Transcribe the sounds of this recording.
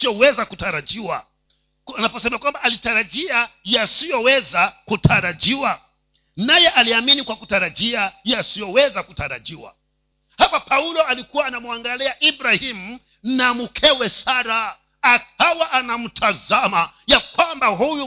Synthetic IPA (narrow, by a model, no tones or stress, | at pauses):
iɔwɛzakutaɾad͡ʒiwa | anapɔsɛmakwambaʔːlitaɾad͡ʒiajasijɔwɛzakutʰaɾad͡ʒiwa | najɛʔaliaminikwakutaɾad͡ʒiajasijɔwɛzakutaɾaʄiwa̰ | hapapʰaulɔalikuwaːnamuaŋɡaliaʔibɾahimu | namukʰɛwɛsaɾaː | k̚awaʔanam̩tʰazama | jakwambaɦuju